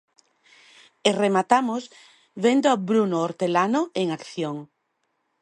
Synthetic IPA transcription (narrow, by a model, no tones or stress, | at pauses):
eremat̪amoz | βend̪oabɾunooɾt̪elanoeŋakθjoŋ